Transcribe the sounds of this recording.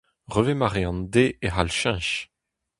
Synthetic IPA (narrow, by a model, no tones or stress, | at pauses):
ʁøvemaʁeɑ̃nd̪eʔeɦalʃɛ̃ʃ